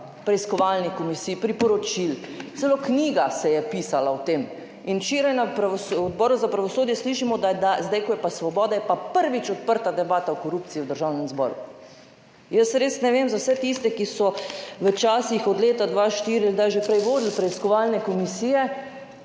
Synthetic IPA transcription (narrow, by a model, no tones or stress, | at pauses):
pɾɛiskɔʋalnikomisiːpɾipɔɾɔt͡ʃiltsɛlokniːɡasɛjɛpiːsalawt̪em | int͡ʃeːɾajnapɾaʋɔsɔd̪̚bɔːɾuzapɾaʋɔsoːd̪jɛsliʃimɔd̪ad̪azd̪ajkɔjɛpasʋɔbɔːd̪ajɛpapəɾʋit͡ʃɔt̪̚pəɾt̪ad̪ɛbaːt̪awkɔɾuːp̚t̪sijiwd̪əɾʒawnɛmzbɔ̰ːɾṵ | jəsɾeːsnɛʋeːmzawsɛt̪ist̪ɛkisɔʋət͡ʃaːsixɔd̪leːt̪ad̪ʋaːʃt̪iːɾialɡd̪ajʒepɾɛjʋoːd̪il̩pɾɛiskɔʋalnɛkɔmisijɛ